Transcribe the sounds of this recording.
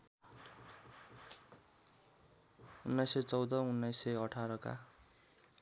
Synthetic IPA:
unːajsejt͡sʌwd̪ʌunːajsʌʌʈʰaɾʌka̰

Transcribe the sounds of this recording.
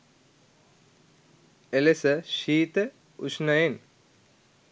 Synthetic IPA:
elesəʃiːt̪ə | uʂnɐjen

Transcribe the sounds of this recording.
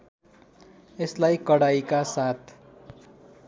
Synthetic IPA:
eslajkʌɽaikasat̪ʰ

